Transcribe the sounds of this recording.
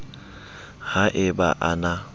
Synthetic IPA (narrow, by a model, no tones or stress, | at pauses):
haʔɪbaʔana